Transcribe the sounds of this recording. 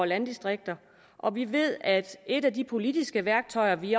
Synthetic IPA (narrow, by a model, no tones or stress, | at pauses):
lænd̥isd̥ʁeɡ̥̚d̥ɐ | ʔɒ̽ʋiʋe̝ð̰ˠæd̥e̝dædipʰo̝lid̥isɡ̥əʋæɐɡ̥̚t͡sʰɒ̽ɪ̰ɐʋi